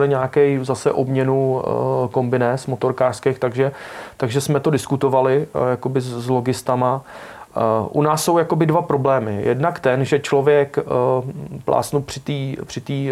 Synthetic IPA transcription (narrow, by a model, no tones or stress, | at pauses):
lɪɲaːkɛjzasɛ̰ʔo̞bɲɛnuko̞mbɪnɛːsmo̞t̪o̞ɾkaːr̥skɛxt̪aɡʒɛt̪aɡʒɛsmɛt̪o̞dɪskut̪o̞valɪjako̞bɪzlo̞ɡɪst̪ama | ʔunaːsːo̞wjako̞bɪdvapɾo̞blɛːmɪjɛ̰dnakt̪ɛnʒɛt͡ʃlo̞vjɛk | plʔa̰ːsnupr̥ɪt̪iːpr̥ɪt̪iː